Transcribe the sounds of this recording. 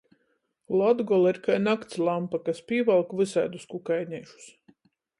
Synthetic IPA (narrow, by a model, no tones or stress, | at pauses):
lˠɔd̪ɡɔlˠiɾkajnakt̪slˠampakaspʲiːvalˠkvɨsajd̪uskukajnʲɛːʃu̥s